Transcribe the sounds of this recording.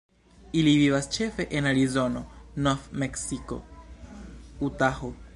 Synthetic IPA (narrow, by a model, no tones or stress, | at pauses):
ilivivast͡ʃe̞fe̞ʔenaɾizo̞no̞noθmeksiko̰ | utaho